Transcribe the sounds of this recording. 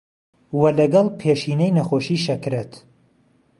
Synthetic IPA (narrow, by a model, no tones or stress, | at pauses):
wɐlɐɡɐlˠpʰeʃiːnɛjnɐxoːʃiːʃɐkɾet̪